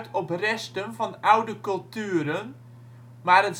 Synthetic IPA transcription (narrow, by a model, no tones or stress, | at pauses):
tɔprɛstənvɑnawdəkɵlˠtyəɾən | maːrət